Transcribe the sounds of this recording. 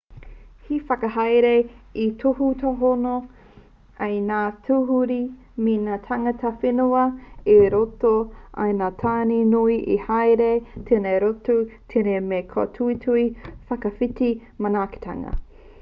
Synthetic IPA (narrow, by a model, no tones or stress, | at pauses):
hifɐkɐɦajɾeit̪ʰohutʰoɦono | ejnaːtʰuɦuɾi | minaːt̪ʰaŋɐtʰɐfenuɐeɾotoʔɐ̰jnatʰaːninuiʔihajɾetʰenejɾotut̪ʰenemekʰo̰tʰuitʰuifɐkɐfitimɐnaːke̥tʰa̰ŋɐ̰